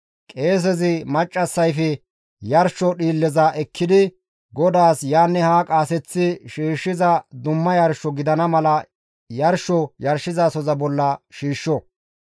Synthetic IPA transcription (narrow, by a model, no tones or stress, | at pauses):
kʼe̞ːs̬ɛzɪmɐt͡ʃʼːɐsːɐjfɛ | jɐɾʃɔɗiːlːɛzɐʔɛkːɪd̪ɪ | ɡɔd̪aːsjaːnːɛhaːkʼaːsɛt͡sːɪʃiːʃːɪzɐd̪ʊmːɐjɐɾʃːɔɡɪd̪ɐnɐmɐlɐ | jɐɾʃɔjɐɾʃɪzasɔzɐbɔlːɐʃiːʃːɔ